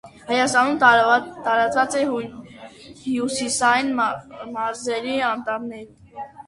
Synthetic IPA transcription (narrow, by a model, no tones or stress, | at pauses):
hɑjɑst̪ɑnumt̪ɑɾɑt͡svɑt͡sɛ | hjusisɑjinmɑɾzɛɾiɑnt̪ɑmnɛɾ